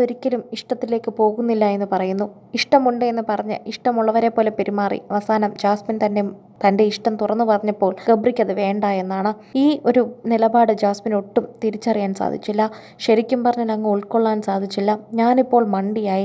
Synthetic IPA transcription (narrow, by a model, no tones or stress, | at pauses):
o̞ɾikʲːɐlumiʂʈɐt̪ːile̞ːkːɨpo̞ːɣunːilːɐje̞nːɨpɐrɐjunːu | iʂʈɐmuɳɖɨenːɨpɐrɐɲːɨ̰ʔiʂʈɐmuɭːɐʋɐɾe̞pːo̞ːle̞pe̞ɾimaːrḭɐʋɐsaːnɐmd͡ʑaːsmint̪ɐnde | t̪ɐnde̞iʂʈɐmt̪urɐnːɨpɐrɐɲːɐpːo̞ːɭɡɐbrikʲːɐðɨʋe̞ːɳɖaːje̞nːaːɳɨiːʔo̞ɾunilɐbaːɽɨd͡ʑaːsmino̞ʈːumt̪iɾit͡ɕːɐrijaːnsa̰ːd̪ʱit͡ɕːilːɐ | ɕɐɾikʲːumpɐrɐɲːɐlɐŋːɐuɭkoɭːaːnsaːd̪ʱit͡ɕːilːɐɲaːnipːo̞ːɭmɐɳɖijaːji